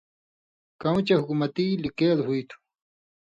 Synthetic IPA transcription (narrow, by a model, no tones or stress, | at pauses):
kɐw̃t͡ɕɐhukumɐt̪ilikeːlhujt̪ʰu̥